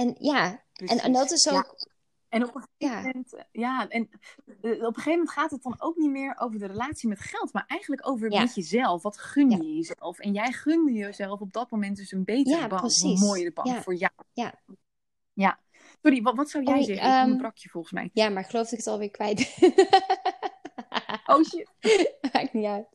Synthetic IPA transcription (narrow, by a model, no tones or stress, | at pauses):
ɛnjaɛnɛ̰ndɔtɪsok | ɛnɔpəeɛntjaːɛn | ɔpəχejvəmɛntχaːtət̚dɑno̰wknitmɪːɹo̰wvəɹdərəlaːtsimɛtχɛlˠtmaːɹʔɛjχənləkowvəɹmɛtjəzɛlˠfʋɑtχʏnjəəjəzɛlˠfɛnjɛjχʏndəjəzɛlˠfɔb̚dɑt̚mowmɛnt̚døsənbejtaəbɑsmoːjəəbɑ̰ŋfʊːɹjawa | ja | sɔriʋʋɑtsɑwjɛjzɛəbrɑkʰjəvɔlˠχənsmɛ̰jjamaχəlowfdɪkətɑlˠʋɪːɹkʋɛjt | ʔowʃɪtakniat